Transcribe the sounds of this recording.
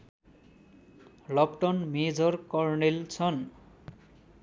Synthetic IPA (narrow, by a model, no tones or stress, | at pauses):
lʌpʈʌnmed͡zʌrkɔrnelt͡sʰʌn